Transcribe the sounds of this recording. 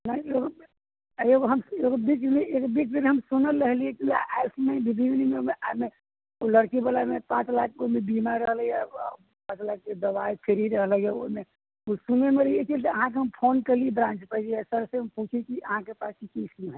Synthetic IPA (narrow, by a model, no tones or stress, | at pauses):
nəieɡo | eɡoɦəmeɡobit͡ʃmeekbit͡ʃmenɦəmsunəlːəɦliekiaʔaɪpʰmebʱibʱiʋnimemeame | oləɽkibəlamepãt͡ʃlak̚komẽbimaɾɾəɦlja | pãːt͡ʃlak̚ked̪əbaipʰeɾiɾəɦləjaome | osunemeɾet͡ʃilt̪əəɦãk̬eɦəmpʰonkəɾliebɾãnt͡ʃpəd͡ʒiɛsəɾseəmput͡ʃʰekiʔəɦãkepaːskikisũɦɛ